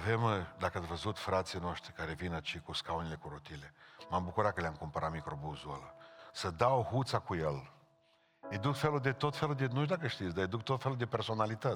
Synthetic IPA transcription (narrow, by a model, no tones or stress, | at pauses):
ave̞md̪akəat̪sʲvəzut̪fɾat̪sijnooʃt̪ɾikaɾe̞vinat͡ʃikuskaunile̞kuɾot̪ile̞mambukuɾat̪̚kəleamkumpəɾat̪mikɾo̞buzuoləsəd̪awhut̪sakujel | med̪ukfe̞lud̪e̞t̪o̞t̪fe̞lud̪enuʃd̪akəʃt̪it̪sʲd̪ajad̪uk̚t̪ot̪fe̞lud̪e̞pe̞rso̞nalit̪ə